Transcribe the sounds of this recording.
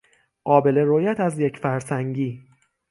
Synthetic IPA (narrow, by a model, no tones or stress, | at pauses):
ɢɒːbe̞le̞ɾojæt̪ʰæzjecʰfæɾsæŋɟiː